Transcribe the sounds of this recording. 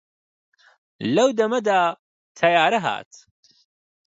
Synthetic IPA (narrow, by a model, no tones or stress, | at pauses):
lɐwd̪ɐmɐd̪aː | t̪ʰɐjaːɾɐɦa̰ːt̪